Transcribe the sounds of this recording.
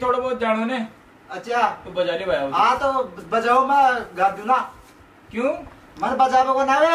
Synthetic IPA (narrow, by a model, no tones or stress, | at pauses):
t̪ʰoːɽoːboːt̪̚d͡ʒaːɽ̃oːneː | əʃaːt̪uːbəd͡ʒaːliːbajaãːt̪oːbəd͡ʒaːoːmɛ̃ːɡaːd̪jũːnaː | kjũː | mənbəd͡ʒaːbokoːnaːʋe